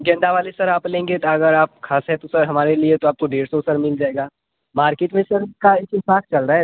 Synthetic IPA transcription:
d͡ʒɐ̃nd̪aʋaːlesɐɾaːplẽːŋɡet̪oɐɡəɾaːp̚kʰaːsɦɛ̃t̪osɐɾɦɐmaːɾeliet̪oaːp̚koɖeːɾsɔsɐɾmɪld͡ʒaːeːɡaː | maːɾkeːʈmẽsɐɾkaɪkɪsaːkt͡ʃɐlɾaɦɛ

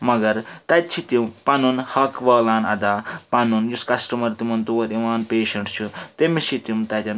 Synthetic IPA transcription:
mɐɡɐɾt̪ɐt̪̚t͡ʃʰit̪umpanunhɐkʋɐːlaːnɐ̰d̪aːpanunjuskɐsʈɐmɐɾt̪imɐnt̪oːɾiʋaːnpeːʃɐɳʈt͡ʃʰut̪emisʰit̪jumt̪ɐt̪ʲɐn

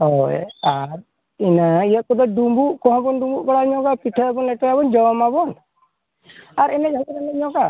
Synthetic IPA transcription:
ɔjaɾ | inaijaʔ̚kɔd̪ɔɖumbuʔkɔɦãbɔnɖumbuʔbɔɽaɲɔ̃kapiʈʰəabɔnlɛʈɔjabɔnd͡ʒɔmabɔn | aɾɛnɛd͡ʒʱɔt̪ɔɾɛnɛɲɔ̃ka

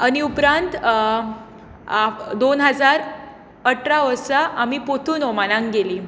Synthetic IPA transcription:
aniupɾãnt̪ | d̪onɦəd͡zaɾ | əʈʰɾaʋəɾsaʔamipot̪ʰuːnɔmalãŋɡeliː

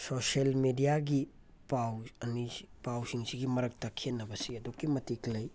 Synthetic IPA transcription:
soselmedijaɡi | pawɐnipawsiŋsiɡimɐɾɐk̚takʰenːɐbɐsiɐdokːimɐtiklɐj

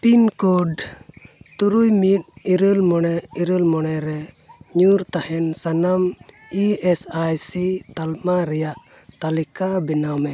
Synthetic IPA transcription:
pinkɔɖ | t̪uɾujmit̪̚iɾəlmɔɽ̃ɛiɾəlmɔɽ̃ɛɾɛ | ɲuɾt̪ahɛnsanam | iɛsajsit̪almaɾɛjaʔ | t̪alikabɛnamɛ

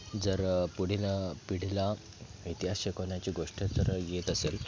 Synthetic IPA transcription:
d͡zəɾpuɽ̤ilapiɽ̤ila | it̪iɦasɕekəɳjat͡ɕiɡoʂʈjat͡səɾəjet̪əsel

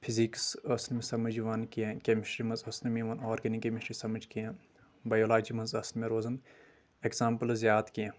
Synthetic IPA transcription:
pʰiziksɐsnmẽsɐmɐd͡ʒuʋaːnkijẽkʲemiʃɾimɐ̃nzɐsnmĩʋɐnɔːɾɡɐnikemiʃɾisɐmɐd͡ʒkijã | baːjoːlaːd͡ʒimɐ̃nzɐsnmẽɾoːzɐn | ekzãːmpəlzʲjaːt̪kijẽː

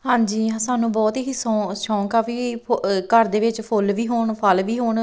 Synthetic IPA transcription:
ɦãːɲd͡ʒiːãsaːnũːbɔːt̪eːɦisõːʃɔ̃ːkaːpʰiːkəɾd̪eːʋɪt͡ʃpʰʊlʋiːɦoːɳpʰəlʋiːɦoːɳ

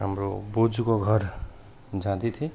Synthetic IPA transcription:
ɦamɾo̰bod͡zukoɡʱʌɾ | d͡zãd̪it̪ʰi

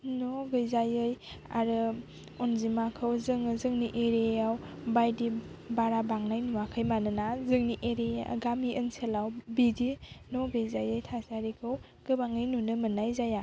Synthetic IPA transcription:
nɔɡɯjzajɯja̰ɾɯ | ɔnzimakʰɯwzɯŋɯzɯŋniʔeɾejawbajdibaɾabaŋnajnuakʰɯjmanɯnazɯŋniʔeɾejaɡamiʔənsʰelawbidinɔɡɯjzajɯjtʰasaɾikʰɯw | ɡ̥ɯbaŋɯjnunɯmɯnajzaja

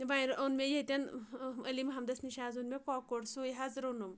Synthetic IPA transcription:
ʋajɾɐnmʲejet̪ʲɐnəlimɦɐmd̪ɐsniʃaːzunmekɔkoɽsujɦɐzɾonum

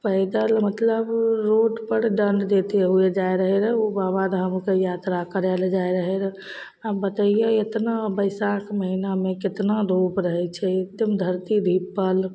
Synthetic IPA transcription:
pəɪd̪əlmət̪ləbɾoɖpəɾɖəɳɖd̪et̪eɦued͡ʒaeɾəɦɛɾəobabad̪ɦəmkejat̪ɾakəɾɛld͡ʒaeɾəɦɛɾ | abət̪əijeet̪nabəɪsakməɦinamẽkɪt̪naɾopɾəɦɛt͡ʃʰɛd̪emd̪ʱəɾt̪id̪ʱipːəl

